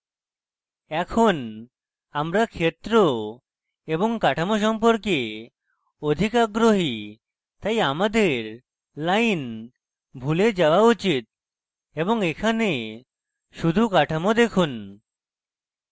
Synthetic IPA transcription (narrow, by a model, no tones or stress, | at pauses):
ɛkʰon | amɾakʰet̪ɾo | eboŋkaʈʰamoʃ̬ɔmpoɾke | od̪ʱikaɡɾoɦi | t̪ajamad̪eɾ | lajn | bʱuled͡ʑawaut͡ɕit̪̚ | eboŋekʰane | ʃud̪ʱukaʈʰamod̪ekʰun